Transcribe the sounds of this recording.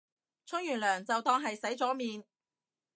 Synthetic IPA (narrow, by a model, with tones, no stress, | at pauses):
t͡sʰʊ˥ŋjyː˨˩nlœː˨˩ŋt͡sɐ˨wt̪ɔː˧˥ŋɦɐ˨jsɐ˨˥jt͡sɔː˨˥miː˨n